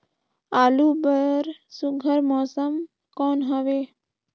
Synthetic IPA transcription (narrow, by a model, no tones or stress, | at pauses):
aːluːbəɾsʊɡʱəɾmɔːsəm | kɔːnɦəʋeː